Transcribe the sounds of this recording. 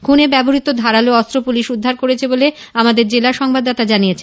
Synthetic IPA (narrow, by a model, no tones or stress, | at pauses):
kʰunebɛboɦit̪od̪ʱaɾaloɔst̪ɾopuliʃud̪ʱːaɾkoɾet͡ɕʰebole | amad̪eɾd͡ʑelaʃɔŋbad̪ːat̪ad͡ʑanijet͡ɕʰen